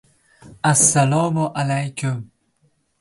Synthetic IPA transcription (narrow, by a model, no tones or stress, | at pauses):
ʔasːalɔːmʊʔalajkʊm